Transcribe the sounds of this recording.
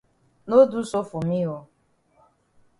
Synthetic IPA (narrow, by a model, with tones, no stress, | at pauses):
no˦du˦sʊ˦fʊ˨mi˦ɦo˦